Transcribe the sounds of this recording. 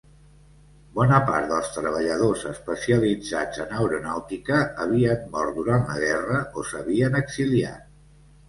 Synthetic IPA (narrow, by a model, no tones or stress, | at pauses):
bɔnəpa̰ɾt̪d̪əlˠst̪ɾəβ̞əʎəðozəspəsiəlid͡zad͡zənəwɾunawt̪ikəːβ̞iənːɔrt̪̚d̪uɾanlə̰ɣ̞ɛrəosəβiənəɡzilia̰t̪